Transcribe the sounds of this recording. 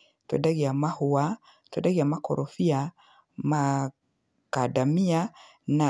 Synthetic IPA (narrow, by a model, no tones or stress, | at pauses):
tɔ̰daɣiamahuwa | tɔdaɣiamakɔ̰ɾʔɔfia | ma | kadamia | na